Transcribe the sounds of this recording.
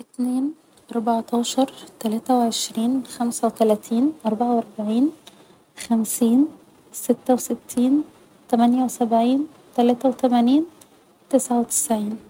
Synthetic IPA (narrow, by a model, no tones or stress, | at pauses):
ʔɪt̪neːn | ʔɑɾˤbɑʕt̪ɑːʃɑɾˤt̪ælæːt̪æweʕeʃɾiːnxæmsæwet̪ælæːt̪ʰiːnʔɑɾˤbaʕawʔɑɾˤbaʕiːn | xæmsiːn | sɪt̪ːæwsɪt̪ʰːiːn | t̪æmænjæwsæbʕiːn | t̪ælæːt̪æwet̪æmæniːn | t̪ɪsʕawet̪ɪ̥sʕiːn